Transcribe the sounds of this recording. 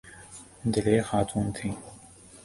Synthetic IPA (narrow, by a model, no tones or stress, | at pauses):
d̪ɪleːxaːt̪ʰuːnt̪ʰiː